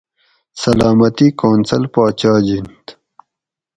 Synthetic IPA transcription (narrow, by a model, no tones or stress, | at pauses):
sɐlaːmɐt̪ikoːnsɐlpaːt͡ɕaːd͡ʑint̪